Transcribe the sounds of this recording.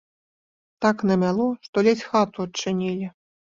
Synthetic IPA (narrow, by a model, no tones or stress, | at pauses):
t̪aknɐmʲalˠɔʂt̪ɔlʲɛt͡sʲxat̪uɐt͡ʂːɨnʲilʲi